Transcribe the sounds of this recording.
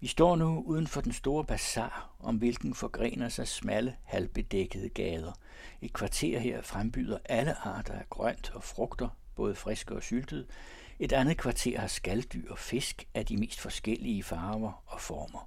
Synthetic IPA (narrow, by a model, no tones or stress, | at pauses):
ʋisd̥ɒ̰ːnuuːð̞ˠn̩fɒ̽d̥ensd̥o̝ːɐb̥ʰæsɑ̰̈ː | ɒ̽mʋe̝lɡ̥n̩fɒ̽ɡ̥ʁḛːnɐsɑ̈ɪsmæləhælb̥e̝d̥eɡ̥əð̞̩ˠəɡ̥ɛːð̞ˠɐ | e̝d̥̚kʰʋɑ̈t͡sʰe̝̰ɐ̰he̝ɐ̰fʁamb̥yːð̞ˠɐʔæləʔɑ̰̈ːd̥ɐæɡ̥ʁœn̰d̥ɒ̽fʁɔ̽ɡ̥d̥ɐb̥ɔ̽ːð̞ˠəfʁesɡ̥əɒ̽syld̥əðˠ | e̝d̥ænð̩ˠkʰʋɑ̈t͡sʰe̝ɐ̰hɑ̈sɡ̥æld̥y̰ɐ̰ɒfe̝sɡ̥ʔæd̥ime̝̰ːsd̥fɒ̽sɡ̥el̰iəfɑ̈ːʊɐɒ̽fɒːmɐ